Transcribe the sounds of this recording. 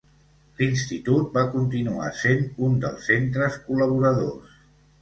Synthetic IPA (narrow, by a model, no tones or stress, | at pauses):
linst̪it̪ut̪̚bakunt̪inua̰senund̪ə̰lˠsːent̪ɾəskuləβ̞uɾəðo̰s